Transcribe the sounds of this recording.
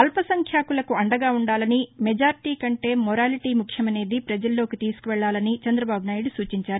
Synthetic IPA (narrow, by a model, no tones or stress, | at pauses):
ɐlpɐsɐŋkʰjaːkulɐkuɐɳɖɐɡaːuɳɖaːlɐnimɛd͡ʒaːɾiʈiːkɐɳʈe̞ːmɔɾaːliʈiːmukʰjɐmɐne̞ːd̪ipɾɐd͡ʒɐlːo̞ːkit̪iːsu̥kuʋɛɭːaːlɐnit͡ʃɐnd̪ɾɐbaːbunaːjiɽusuːt͡ʃiɲt͡ʃaːɾu